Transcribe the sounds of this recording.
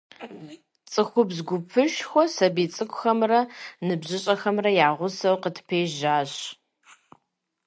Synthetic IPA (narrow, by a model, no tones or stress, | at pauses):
t͡sʼɨxʷʊbzɡʷʊpʰɨʃxʷɔsɐbiːt͡sʼɨkʷʰʼxɐmrɐnɨbʑɨɕʼɐxɐmrɐjaːʁʷʊsɐwqətʰpʰeːʒaːɕ